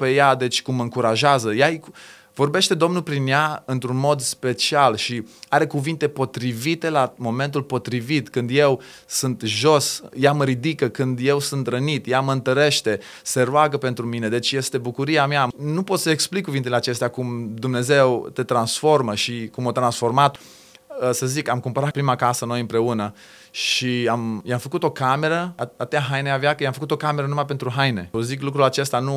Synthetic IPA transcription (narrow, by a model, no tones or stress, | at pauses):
pe̞jad̪e̞t͡ʃʲkumːəɨŋkuɾaʒeazəjaj | vo̞rbe̞ʃt̪e̞d̪o̞mnulpɾinjaɨnt̪ɾunmo̞d̪spe̞t͡ʃialʃiaɾe̞kuvint̪e̞po̞t̪ɾivit̪e̞lamo̞me̞nt̪̬ulpo̞t̪ɾivit̪kɨnd̪je̞w | sunt̪ʒo̞sjaməɾid̪ikəkɨnd̪je̞wsunt̪ɾənit̪jaməɨnt̪əɾe̞ʃt̪e̞ | seɾuaɡəpe̞nt̪ɾumine̞d̪e̞t͡ʃʲje̞st̪e̞bukuɾiameanupo̞t̪səeksplikːuvint̪ele̞at͡ʃe̞st̪eakumd̪umne̞ze̞wt̪e̞t̪ɾansfo̞rməʃikumot̪ɾansfo̞rmat̪ | səzikamkumpəɾat̪̚pɾimakasəno̞jɨmpɾe̞unə | ʃiamjamfəkut̪o̞kame̞ɾəaat̪eaɦajneaveakəjamfəkut̪o̞kame̞ɾənumajpe̞nt̪ɾuɦajne̞̰ziklukɾulat͡ʃe̞st̪anu